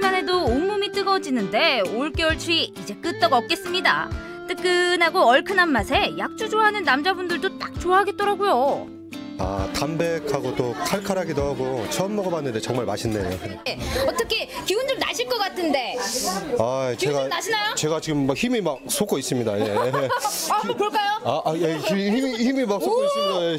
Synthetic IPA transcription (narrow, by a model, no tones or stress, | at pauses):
mane̞doːmːumit͈ɯɡʌd͡ʑinɯnde̞oɭk͈eoɭt͡ɕʰuiid͡ʑe̞k͈ɯt͈̚ʌɡʌp̚k͈e̞s͈ɯmɲida̰ | t͈ɯk͈ɯnɦaɡoʌɭkʰɯnamːasʰe̞jak̚t͡ɕ͈ud͡ʑoɦanɯnːamd͡ʑabundɯɭdot͈ak̚t͡ɕoaɦaɡe̞t̚t͈ʌɾaɡujo | a̰tambe̞kʰaɡot͈okʰaɭkʰaɾɦaɡidoɦaɡot͡ɕʰʌnmːʌɡamanːɯnde̞t͡ɕʌŋmaɭma̰ɕʰinːejejeʌt͈ʌkʰe̞kibundɯna̰ɕʰiɭk͈ʌk͈atʰɯnde̞ | at͡ɕeɡanaɕʰinajot͡ɕe̞ɡat͡ɕiɡɯmːak̚çimimak̚sʰok͈ʰois͈ɯmɲidaje | kɯɾʌk͈ajoaʔajekiiihimimak̚s͈ʰokʰois͈ɯmɲidae